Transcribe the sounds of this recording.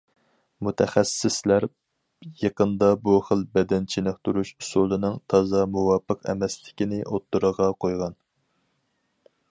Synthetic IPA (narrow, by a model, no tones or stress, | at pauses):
mut̪ʰɛχæsɪslæɾ | jeqənd̪ɑbuχəlbɛd̪ɛnt͡ʃʰinɨχ̚t̪ʰuɾuʃusulˠɨnɨŋt̪ʰɑzɑmuwɑpʰəqɛ̰mɛslɪkʲinɪʔot̪ːuɾəʁɑqʰojʁɑn